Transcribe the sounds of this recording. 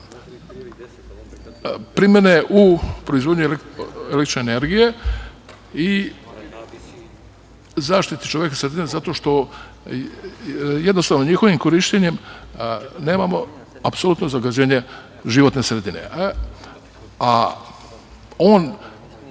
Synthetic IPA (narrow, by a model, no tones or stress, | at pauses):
pɾimeneʔupɾoizʋod̪ɲuleelek̪t̪i̥t͡ʃʃneːne̞ɾɡije | i | zaːʃt̪it̪i̥t͡ʃoʋjekasɾed̪inezat̪o̞ʃt̪o̞ | jed̪no̞st̪aʋnoɲixo̞ʋimko̞ɾiʃt̪eɲem | ne̞ːmamo̞ | apsolˠuːt̪no̞zaɡad͡ʑeːɲe̞ | ʒiʋo̞t̪nesɾed̪ine̞̰ | a | oːn